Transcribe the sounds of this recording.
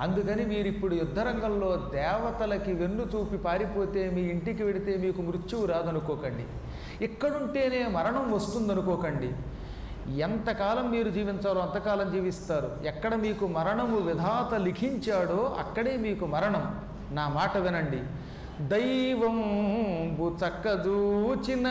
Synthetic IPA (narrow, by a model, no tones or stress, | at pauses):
ɐnd̪ukɐnimiːɾuipːuɽujud̪ʱːɐɾɐŋɡɐmlo̞ːd̪ɛːʋɐt̪ɐlɐkiʋenːut̪uːpipaːɾipo̞ːt̪e̞ːmiːiɳʈikiʋe̞ɽit̪e̞ːmiːkumɾut͡ʃːiwuɾaːd̪ɐnukɔːkɐɳɖḭ | ikːɐɽuɳʈe̞ːne̞ːmɐɾɐɳɐmʋɐst̪und̪ɐnukɔːkɐɳɖi | ɛnt̪ɐkaːlɐmːiːɾud͡ʒiːʋiɲt̪aːɾoːɐnt̪ɐkaːlɐmd͡ʒiːʋist̪aːɾuɛkːɐɽɐmiːkumɐɾɐɳɐmuʋid̪ʱaːt̪ɐlikʰiɲt͡ʃaːɽoːʔɐ̰kːɐɽe̞ːmiːkumɐɾɐɳɐm | naːmaːʈɐʋenɐɳɖi | d̪ɐjʋɐm | bʱut͡sɐkːɐd͡ʒut͡ʃinːɐ